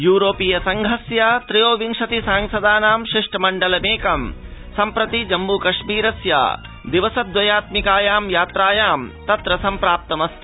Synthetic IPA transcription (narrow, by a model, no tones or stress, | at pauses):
juːɾoːpijɐsɐŋɡʱɦɐsjat̪ɾijoːʋiŋʂɐt̪isaːŋsɐd̪aːnaːmʃiʂʈɐmɐɳɖɐlɐmeːkɐmsɐmpɾɐt̪id͡ʒɐmːuːkɐʂmiːɾɐsja̰ː | d̪iʋɐsɐt̪̚ːʋɐjaːt̪mikaːjaːmjaːt̪ɾaːjaːmt̪ɐt̪ɾɐsɐmpɾaːp̚t̪ɐmɐst̪i